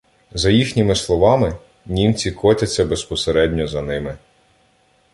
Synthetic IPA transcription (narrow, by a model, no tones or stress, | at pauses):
zɐjixnʲɪmɪslˠɔʋɑmɪ | nʲimt͡sʲikʰɔtʲɐt͡sʲːɐbespɔseɾɛdʲnʲɔzɐnɪmɪ